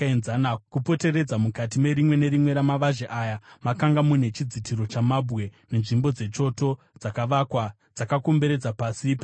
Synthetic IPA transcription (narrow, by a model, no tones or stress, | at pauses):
enzanakupo̞te̞ɾe̞d͡zamukatime̞ɾimwe̞ne̞ɾimwe̞ɾamaʋaʒeʔajamakaŋɡamune̞t͡ʃid͡zitʰiɾo̞t͡ʃamabɣe̞ne̞nʐimbo̞d͡ze̞t͡ʃo̞to̞ | d͡zakaʋakwa | d͡zakako̞mbe̞ɾe̞d͡zapaːsipa